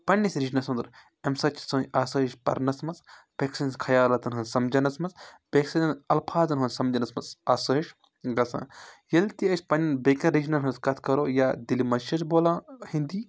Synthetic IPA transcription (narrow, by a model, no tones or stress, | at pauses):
pɐnːisɾid͡ʒnɐsũnd̪ɾ | emsɐt͡ʃʰsõːnʔaːsəɦiʃpɐ̰ɾnɐsmɐz | peksɐnskʰɐjaːlɐt̪ɐnɦɐnsɐmd͡ʒɐnɐsmɐt͡sbeksɐnɐnɐlpʰaːt̪ɐnɦɐːnʲsɐmd͡ʒɐnɐsmɐzaːsəiʃ | ɡɐsã̰ːjɐlt̪iɐʃʲpɐnnbekɐɾid͡ʒnɐɾɦɐnskɐt̪ʰkɐɾoːjaːd̪ilimɐʃɐt͡ʃboːlãːhĩnd̪iː